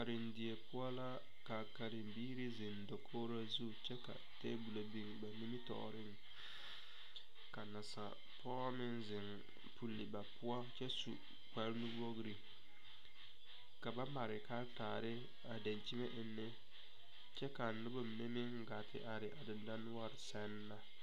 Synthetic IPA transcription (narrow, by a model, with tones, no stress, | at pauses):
ka˨ɾɪ˨ndɪ˨e˨pʊ˦a˦la˦ | ka˨ka˨ɾɪ˨mbiː˦ɾɪ˦zɪ˨ndɔ˨kʰoː˦ɾa˦zu˦˨t͡ʃɛ˦ka̰˨tḛː˦bu˨la˨bi˦ŋba˨ni˦mi˦tɔ̰˨ɾɪ˦ŋ | ka˨na˨sa̰˨ | pʰɔː˦mɪ˦nzɪ˨ŋ | pʰu˨lːɪ˨ba˨pʊ˦a˦t͡ʃɛ˦sṵ˨ | k͡pa˨˦ɾnu˦wo˦ɡɾi˨ | ka˨ba˦ma˨ɾɪ˨ka˦ltaː˨ɾɪ˦ | a˨da˨nt͡ʃi˦me˦ʔɪ˨nːɪ˦ | t͡ʃɛ˦ka˨nʊ˦bʊ˦˨me˦mɪ˦ŋ̩˦ɡa˨tʰɪ̰˦ʔa˨ɾɪ˨ʔa˨dɪ˨nda˦nʊ˦a˦ɾɪ˨sɛ˦nːa˦